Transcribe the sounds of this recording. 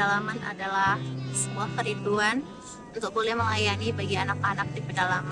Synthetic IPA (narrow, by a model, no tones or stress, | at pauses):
alamana̰dalahsəmuahkəɾit̪uan | unt̪ʊk̚bolɛhməlajanibaɡianakanak̚dipərdalama